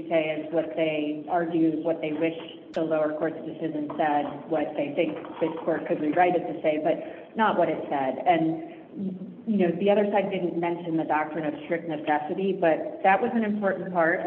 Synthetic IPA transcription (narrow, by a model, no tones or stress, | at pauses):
seɪɪzwʌt̪̚ðeɪɑɹɡjʉwʌt̪̚ðeɪwɪʃ | ðəloʊə˞kʰɔɹtsʌvdɨsɪʒɨ̃nsɛd̚wʌt̪̚ðeɪθɪ̃ŋk̚ðɪskʰɔɹt̚kʰɨd̚ɹiɹaɪɾɨd̚tʰɨseɪbʌt̚ | nəʔwʔʌɾɨtsɛdɨ̃n | jɨnoʊðiʌðə˞saɪdɪdⁿn̩mɛ̃nʃɨ̃nðɨdɑk̚tɹ̥ɨ̃ñʌv̥stɹ̥ɪk̚t̚nɨsɛsɨɾibʌt̪̚ðɨʔ̚wʔʌzɨ̃nɨ̃mpʰɔɹʔn̩pʰɑɹt̚